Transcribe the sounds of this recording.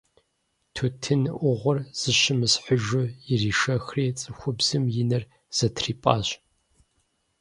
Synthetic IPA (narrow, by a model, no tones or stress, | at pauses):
tʰutʰɨnʔʷʊʁʷɔrz̥ɨʃɪmɨsħʊʒʊjɪriːʃɐxriːt͡sʼɨxʷʊbz̥ɨmjɪnɐr | z̥ɐtʰriːpʼaːɕ